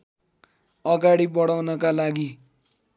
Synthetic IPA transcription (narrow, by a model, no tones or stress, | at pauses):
ʌɡaɽibʌɽawnʌkalaɡi